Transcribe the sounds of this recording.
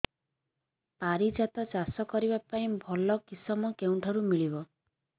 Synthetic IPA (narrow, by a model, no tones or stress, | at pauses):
paɾid͡ʒat̪ɔt͡ʃasɔkɔɾibapaĩbʱɔlɔkisɔmɔkeuɳʈʰɔɾumiɭibɔ